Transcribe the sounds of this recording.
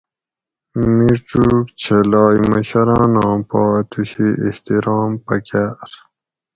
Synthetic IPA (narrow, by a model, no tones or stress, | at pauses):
miʈ͡ʂukt͡ɕʰelɑːjmɐɕɐɾãːnɑ̃ːpɑːt̪uɕiiht̪iɾɑːmpɐkaɾ